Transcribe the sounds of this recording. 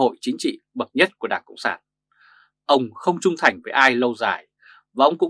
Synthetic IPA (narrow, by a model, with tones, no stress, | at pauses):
o̰˧˨jt͡ɕï˨˦ŋ̟t͡ɕḭ˧˨ | ɓə˨˩t̚ɲə˦˥t̚ku˧˩ɗaː˧˩ŋkə̰˧˨wŋ͡msa̰ː˧˩n | ʔə˧wŋ͡mxə˧wŋ͡mt͡ɕʊ˧ŋ͡mt̪ʰa˨˩jŋ̟vəː˨˩jʔaː˧jlə˧wza̰ː˨˩j | vaː˨˩ʔə˧wŋ͡mkʊ̰˧˥